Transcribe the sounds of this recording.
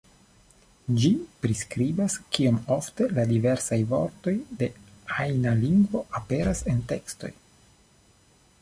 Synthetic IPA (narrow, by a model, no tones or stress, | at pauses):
d͡ʒipɾiskɾibaskio̞mo̞fte̞ladive̞ɾsajvo̞̰ɾto̞jde̞ajnaliŋɡvo̞ʔape̞ɾase̞nte̞ksto̞̰j